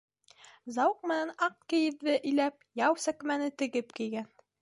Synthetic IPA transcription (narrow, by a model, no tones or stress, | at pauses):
zɑwɤq̚mɘ̆nænɑq̚kɘ̆jɘ̆ðːɘʔɘ̆jlæp̚jɑwsækmænɘt̪ɘ̆ɡɘpkĭjɡæn